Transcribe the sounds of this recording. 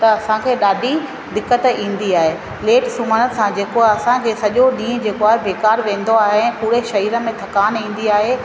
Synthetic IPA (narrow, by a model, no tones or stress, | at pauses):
t̪ɐɐsãkʰeːɗaːɖʱi | d̪ɪkːət̪ĩːn̆d̪iaːɦe | leːʈsʊmənəsãd͡ʑeːkoɐsãkʰeːsɐʄoɗĩːd͡ʑeːkoaːɦebeːkaːɾʋẽːn̆d̪oaːɦeɛ̃ːpuːɾeʃɐɦiːɾə̆mẽt̪ʰɐkaːnĩːn̆d̪iaːɦe